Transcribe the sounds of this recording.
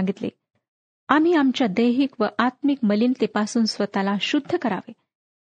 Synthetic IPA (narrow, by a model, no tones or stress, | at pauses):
aŋɡit̪lḛ | am̤iːamt͡ɕjad̪əjɦikʋəʔat̪mikməliːnt̪epasuːnsʋət̪alaɕud̪ʱːəkəɾa̰ʋe